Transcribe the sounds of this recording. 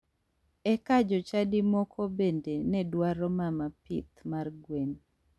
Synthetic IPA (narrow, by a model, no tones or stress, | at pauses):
ɛkad͡ʒɔt͡ʃadɪmɔkʰɔbendenɛdwaɾɔmamapɪ̰t̪marɡwen